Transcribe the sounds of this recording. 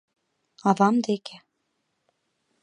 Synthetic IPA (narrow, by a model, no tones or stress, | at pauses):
ɑðɑmd̪eke